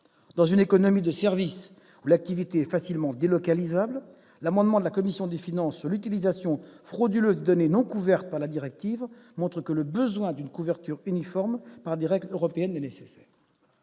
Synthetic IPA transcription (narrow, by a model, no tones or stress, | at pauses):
d̪̥ɑ̃zynekɔnɔmid̪əsɛʁvis | ulak̚t̪ivit̪eɛfasilmɑ̃d̪elɔkalizabl | lamɑ̃d̪mɑ̃d̪əlakɔmisjɔ̃d̪efinɑ̃sːyʁlyt̪ilizasjɔ̃fχod̪yløzɛd̪ɔnenɔ̃kuvɛʁt̪̚paʁlad̪iʁɛk̚t̪ivmɔ̃t̪χəkələbəzwɛ̃d̪ynkuvɛʁt̪yʁynifɔʁmpaʁd̪eʁɛɡløʁɔpeɛnːɛnesesɛːʁ